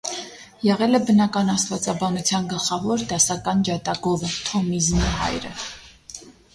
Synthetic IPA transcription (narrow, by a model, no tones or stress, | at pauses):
jɛʁɛlɛbənɑkɑnɑst̪vɑt͡sɑbɑnut͡sʰjɑnɡəlχɑvɔɾd̪ɑsɑkɑnd͡ʒɑt̪ɑɡɔvət̪ʰɔmizmiɦɑ̰jɾə̰